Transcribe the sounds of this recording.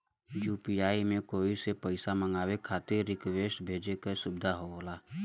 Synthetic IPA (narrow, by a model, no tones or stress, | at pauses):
juːpiaːimẽkoːisepəɪsaməŋɡaːwekʰaːt̪ɪɾːɪkweːʃbʱeːd͡ʒekasʊbɪd̪ʱaɦooːlaː